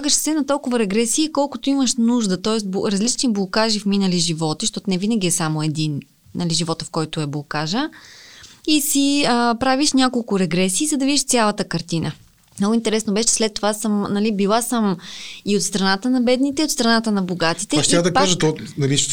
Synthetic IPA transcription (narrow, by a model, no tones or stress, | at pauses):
ɡəʃsɛnɐt̪ɔlˠkʊvəɾɛɡɾɛsiːkɔlˠkʊt̪oiməʃnuʒd̪ət̪ɔɛsbɾɐzlit͡ʃniblˠokaʒifminəliʒivɔt̪iʃt̪ɔt̪nɛvinəɡʲiɛsamoɛd̪in | nɐliʒivɔt̪əfkɔjt̪ʊɛblˠokaʒə | isiəpɾaviʃnʲakolˠkʊɾɛɡɾɛsiːzɐd̪ɐvid̪iʃt̪sʲalˠət̪əkɐɾt̪inə | nɔɡʊint̪ɛɾɛsnobɛʃɛ̥slɛt̪ːovasəmnɐlibilˠasəmiot̪st̪ɾɐnat̪ənɐbɛd̪nit̪ɛiot̪st̪ɾɐnat̪ənɐboɡat̪it̪ɛɐʃtiad̪ɐkpaʒət̪onɐliʃ